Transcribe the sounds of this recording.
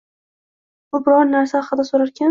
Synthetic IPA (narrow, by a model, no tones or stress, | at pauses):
bʊbɪɾɒɾnaɾsaɑqɨd̪asoɾaɾkʲa